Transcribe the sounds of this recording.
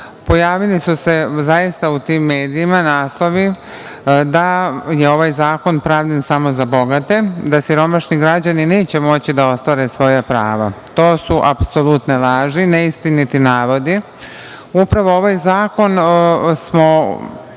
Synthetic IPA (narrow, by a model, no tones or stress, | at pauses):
po̞jaːʋilisuse̞zajist̪aut̪iːmːe̞ːd̪iːmanaːslˠo̞ʋi | d̪ajeo̞ʋajzaːko̞npɾaːʋʎansamo̞zabo̞ɡat̪e̞d̪asiɾo̞maʃɲiɡɾad͡ʑanine̞ːt͡ɕemo̞t͡ɕid̪ao̞st̪ʋaɾe̞sʋo̞japɾa̰ːʋat̪o̞ːsuʔapso̞lˠut̪nelˠaːʒineist̪init̪inaːʋo̞d̪i | upɾaʋo̞oʋajzaːko̞nsmo̞